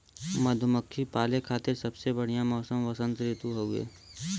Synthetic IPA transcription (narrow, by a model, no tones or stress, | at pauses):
mɐd̪ʱʊməkʰːipaːlekʰaːt̪ɪɾsɐbsebɐɽ̤ijãmɔːsəmʋɐsə̃nt̪ɾɪt̪uɦouḛː